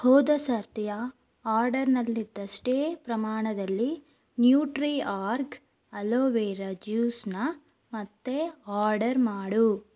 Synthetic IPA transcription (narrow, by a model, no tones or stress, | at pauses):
hoːd̪ɐsɐɾt̪ijɐ | aːɾɖɐɾnɐlːid̪ːɐʂʈeːpɾɐmaːɳɐd̪ɐlːi | njuːʈɾiaːɾk | ɐloːʋeːɾɐd͡ʒjuːsnɐ | mɐt̪ːeaːɾɖɐɾmaːɽu